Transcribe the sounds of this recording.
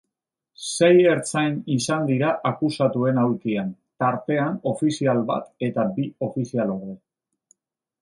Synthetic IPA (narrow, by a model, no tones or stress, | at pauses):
se̞je̞ɾt͡sajnisand̪iɾaʔakusat̪ue̞nawɾkian | t̪aɾt̪e̞ano̞fisialβa̰t̪e̞t̪abio̞fisialo̞ɾe